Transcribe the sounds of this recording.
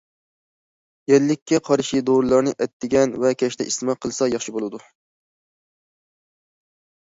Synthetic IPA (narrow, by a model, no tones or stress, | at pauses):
jɛlːɪkʲːɛqʰɑɾʃid̪oɾlˠɑɾnɨʔɛt̪ʰːɪɡʲɛnvɛkʲʰɛʃt̪ɛist̪ɨmɑqʰəlˠɨsɑjɑχʃibolˠɨd̪u